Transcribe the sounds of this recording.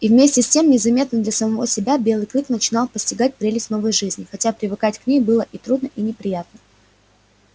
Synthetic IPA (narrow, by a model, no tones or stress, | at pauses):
ivmʲesʲtʲɪsʲtʲe̞mnʲɪzɐmʲe̞t̪nəd̪lʲɐsəmɐvosʲɪbʲabʲe̞lˠɨjklʲˠɨknət͡ɕɪnɑlˠpəsʲtʲɪɡatʲpɾʲelʲɪsʲnovəjʐɨzʲnʲɪxɐtʲapɾʲɪvɨkatʲknʲejbɨlˠəʔit̪ɾud̪nəʔinʲɪpɾʲɪjat̪̚nə